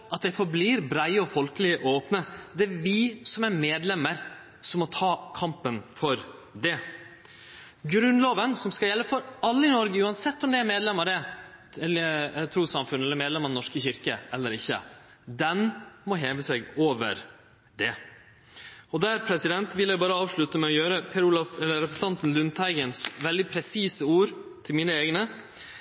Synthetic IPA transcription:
ɑt̪̚d̪ɛfɔɾbliːɾbɾæɪəɔfɔlkəlɪəʔoːpnəd̪ɛæɾʋɪsɔmæɾmeːd̪lɛməɾ | sɔmːɔt̪ʰɑːkʰɑmpənfɔɾd̪ɛ | ɡɾʉnloːʋənsɔmskɑjɛlːəfɔɾɑlːəɪnɔɾɡəʉːɑnsɛt̪ːɔmd̪ɛæɾmeːd̪lɛmːəɾɖɛ | ɛlət̪ʰɾuːsɑmfʉnːɛlːəɾmeːd̪lɛməɾnɔʂkəçɪɾkəʔɛlːəɾɪçːə̰ | d̪ɛnmɔɦeːʋəsɛɡoːʋə̰ɾ | d̪ɛ | ɔd̪æɾpʰɾɛsɪd̪ɛnt̪ʋɪljæɪbɑːɾəɑːʋʂɭʉt̪əmɛɔjøːɾəpʰɛɾuːlɑfɛlːəɾɛpəs̩t̪ɑnt̪n̩lʉnd̪hæɪɡənsʋɛld̪ɪpʰɾɛsiːsəuːɾ | t̪ʰɪlmiːnəeːɡnə

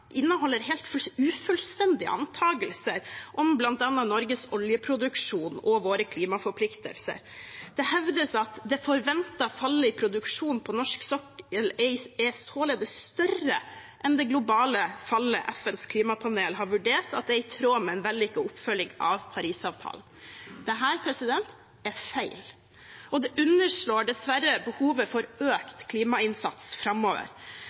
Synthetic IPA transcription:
ʔɪnːəhɔlːəɾɦɛːlt̪fʉːfʉlst̪ɛnd̪ɪə̰ʔɑ̰nt̪ʰɑːɡəlsəɾʔɔmblɑnt̪̚ɑnːɑnɔɾɡəsɔljəpʰɾʊd̪ʉkʂuːnɔʋoːɾəkʰliːmɑfɔɾpʰlɪkt̪ə̰lsə̰ɾ | d̪̥ɛhɛʋd̪əsɑt̪d̪ɛfɔɾʋɛnt̪ɑfɑlːəɪpʰɾʊd̪ʉkʂuːnpʰɔnɔʂksɔkəlɛɪɛst̪ʰoːləd̪ɛst̪œrə | ʔɛnd̪ɛɡlʊbɑːləfɑlːəʔɛfɛnskʰliːmɑpʰɑneːlɦɑɾʋʉɖeːʈɑt̪̚d̪ɛɪt̪ʰɾoːmɛɛnʋɛlːɪkːəʊpːfœljɪŋɑ̰ʋpʰɑɾiːsɑːʋt̪ʰɑ̰ːln̩d̪̥ɛɦæːɾpʰɾɛsɪd̪ɛnt̪ | ɛɾfæɪl | ɔd̪ɛʔʉnːəʂɭoːɖɛsʋæɾəbəhuːʋəfɔɾøːkt̪kʰliːmɑɪnsɑ̰t̪sfɾɑmːoːʋə̰ɾ

